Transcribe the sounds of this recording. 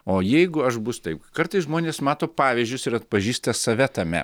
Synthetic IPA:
oːjɛɪɡʊɐʃbʊst̪ɐɪpkɐɾt̪ɐɪsʒmoːnʲeːsmɑːt̪oːpɑːʋʲiʒʲd͡ʒʲʊsɪɾɐt̪̚pɐʒʲiːst̪ɐsɐʋʲɛt̪ɐmʲɛ̰

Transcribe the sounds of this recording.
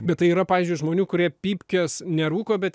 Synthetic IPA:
bʲɛt̪tɐɪiːɾɐpɑːʋʲiːzʲd͡ʒʲʊɪʒmoːnʲuːkʊɾʲiɛpʲiːpʲkʲosnʲɛɾuːkoːbʲɛt̪

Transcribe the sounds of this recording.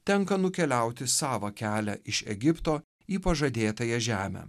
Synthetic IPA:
t̪ʲɛŋkɐnʊkʲɛlʲæˑʊt̪ʲɪsɑːʋɐkʲæːlʲæʔɪʃɛ̰ɡʲɪpt̪oː | iːpɐʒɐd̪ʲeːt̪ɐjɛʒʲæːmʲɛ̰ː

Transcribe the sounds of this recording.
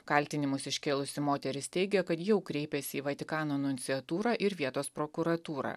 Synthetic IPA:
kɐlʲt̪ʲɪnʲɪmʊsɪʃʲkʲeːlˠʊsʲɪmoːt̪ʲɛɾʲɪst̪ʲɛɪɡʲɛjokɐt̪jɛʊkɾʲɛɪpʲɛsʲɪːʋɐt̪ʲɪkɑːnoːɐnʊnʲt̪ʲiɐt̪uːɾɑːʔɪɾʋʲiɛt̪oːspɾokʊɾɐt̪uːɾɑ̰ː

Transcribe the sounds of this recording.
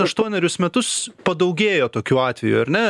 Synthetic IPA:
ɐʃt̪uɔnʲɛɾʲʊsmʲɛt̪ʊspɐd̪ɐʊɡʲeːjoːt̪oːkʲuːɑːt̪ʲʋʲɛjṵːɐɾʲnʲɛ

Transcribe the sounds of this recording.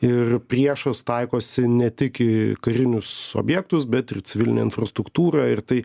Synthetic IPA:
ɪrpʲrʲiɛʃɐst̪ɐɪkoːsʲɪnʲɛt̪ʲɪkɪkɐɾʲɪnʲʊso̰ːbʲjɛk̚t̪ʊsbʲɛt̪ɪrt͡s̪ʲɪʋʲɪlʲɪnʲḛɪ̰nfɾɐst̪ɾʊkt̪uːɾɑːɪrt̪ɐɪ

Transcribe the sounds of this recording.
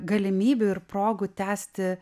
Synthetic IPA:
ɡɐlʲɪmʲiːbʲʊɪɾpɾoːɡʊt̪ʲæːsʲt̪ʲɪ

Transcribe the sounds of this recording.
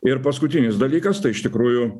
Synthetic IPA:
ɪɾpɐskʊt̪ʲɪnʲɪsd̪ɐlʲiːkɐst̪ɐɪɪʃt̪ʲɪkɾuːjʊ

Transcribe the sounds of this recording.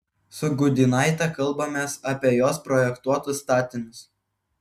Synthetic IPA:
sʊɡʊd̪ʲɪnɑˑɪt̪ɑkɐlˠˑbɐmʲeːsɐpʲiɛjoːspɾɔjɛkt̪uɔt̪ʊsːt̪ɑːt̪ʲɪnʲʊs

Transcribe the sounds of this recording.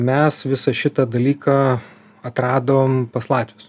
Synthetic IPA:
mʲɛsʋʲɪsɐʃʲɪt̪ɐd̪ɐlʲiːkɑ | ɐt̪ɾɑːd̪oːmpɐslˠɑːt̪ʲʋʲɪs

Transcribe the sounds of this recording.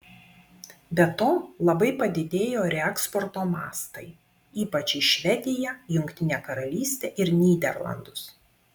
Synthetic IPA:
bʲɛt̪oːlˠɐbɐɪpɐd̪ʲɪd̪ʲeːjoːɾʲɛɛkspɔɾt̪oːmɑ̰ːst̪ɐɪ | iːpɐt͡ʃʲɪʃʲʋʲɛd̪ʲɪjɛjʊŋʲkt̪ʲɪnʲeːkɐɾɐlʲiːsʲt̪ʲeːʔɪɾnʲiːd̪ʲɛ̰ɾlˠɐ̰nd̪ʊs

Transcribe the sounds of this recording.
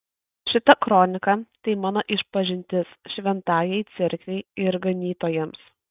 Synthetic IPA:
ʃʲɪt̪ɐkɾɔnʲɪkɐt̪ɐɪmɑːnoʔɪʃpɐʒʲɪnʲt̪ʲɪsʃʲʋʲɛnt̪ɑːjɛɪt̪sʲɪɾʲkʲʋʲɛɪɪɾɡɐnʲiːt̪oːjɛms

